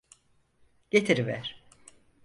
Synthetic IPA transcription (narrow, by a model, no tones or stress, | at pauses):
ɟ̥et̪ʰiɾvæ̰ɾ̥